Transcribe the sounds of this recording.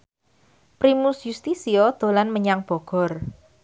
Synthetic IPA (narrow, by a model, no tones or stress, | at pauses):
pɾimusjust̪isiɔd̪̥o̤lanməɲaŋb̥ɔ̤ɡ̥ɔ̤r